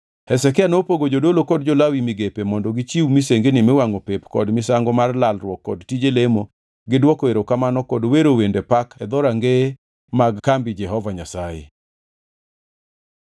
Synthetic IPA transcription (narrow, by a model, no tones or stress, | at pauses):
hɛsɛkɪanopoɡod͡ʒodolokɔd̚d͡ʒolawimiɡepemɔndɔɡɪt͡ʃiwmiseŋɡenimɛwaŋopepkɔ̰dmɪsaŋɡɔmarlalrwɔkːɔdtid͡ʒelemo | ɡɪdwɔkoeɾokamanɔkɔdweɾowendepakʰɛd̪ɔɾaŋɡe | maɡkambɪd͡ʒɛɦɔvaɲasajḛ